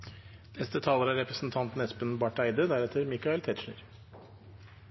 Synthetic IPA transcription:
nɛst̪ət̪ʰɑːləɾɑɾɛpɾəsn̩t̪ʰɑnt̪n̩ɛspənbɑʈæɪd̪əd̪æɾɛt̪ʰəɾmɪkɑɛlt̪ʰɛːt̪ʂɳə̰ɾ

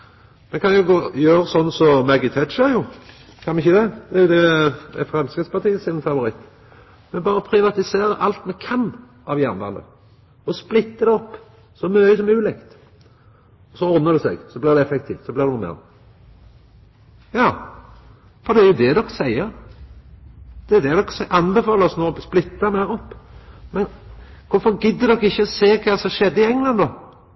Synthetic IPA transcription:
mɛnkʰɑnjʊɡoːjøːɾəsɔnːsɔmæɡɪt̪ʰœt͡ʃəɾjʊ | kʰɑnmɪçəd̪ɛd̪ɛjʊd̪ɛɛfɾɛmskət̪spɑʁt̪ʰiːəsɪnfɑʋʊɾɪt̪ː | mɛnbɑːɾəəpʰɾɪʋɑt̪ɪseːɾəʔɑlt̪mɛkʰɑn | ʔɑʋjænd̪ɑ̰nd̪ə̰ | ɔsplɪt̪ːəd̪ɛɔpː | sɔmœʏəsɔmʉːlɪkt̪ | ɔsɔɔɾnəɾd̪ɛsɛ̰ɡsɔblɪʁd̪ɛɛfɛk̚t̪ʰiːft̪sɔblɪʁd̪ɛnuːmɛ̰ːʁ | jɑː | fɔɾd̪ɛæɾjʊd̪ɛd̪ɔksæɪːəɾ | d̪̥ɛd̪ɛd̪ɔksɛʔɑnbəfɑːləɾɔsnoːsplɪt̪ːɑmæɾɔpːmɛnkʰʊɾfɔɾɡʏd̪ːəd̪ɔkːɪçːəɔseːkʰɑːsɔmʃɛd̪ːəɪɛŋlɑnd̪oː

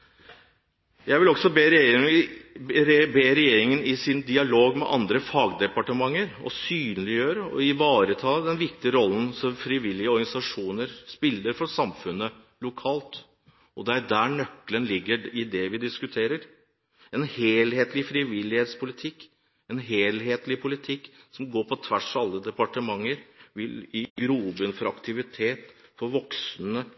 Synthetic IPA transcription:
jæɪʋɪlɔɡsɔbː | beːɾɛjeːɾɪŋənɪsɪnd̪ɪɑloːɡmɛ̰ʔɑ̰nd̪ɾəfɑːɡd̪ɛpɑʈəmɑŋːəɾɔ̰syːnlɪjøːɾəɔ̰ɪʋɑːɾət̪ʰɑːd̪ɛnʋɪkt̪ɪəɾɔlːn̩sɔmfɾɪʋɪlːɪəɔɾɡɑnɪsɑʂuːnəɾspɪlːəɾfɔsɑmfʉnːə | lʊkʰɑːlt̪ | ɔd̪ɛæɖ̪æɳœkːlənlɪɡːəɪd̪ɛʋɪd̪ɪskʉt̪ʰeːɾəɾ | ɛnheːlheːt̪lɪfɾɪʋɪlːɪheːt̪spʊlɪt̪ʰɪkː | ɛnɦeːlɦeːt̪lɪpʰʊlɪt̪ʰɪkːsɔmɡoːɾpʰɔt̪ʰʋæʂɑlːəd̪ɛpɑʈəmɑŋːəɾʋɪliɡɾuːbənfɔɾɑkt̪ʰɪʋɪt̪ʰeːt̪fɔɾʋɔksnə

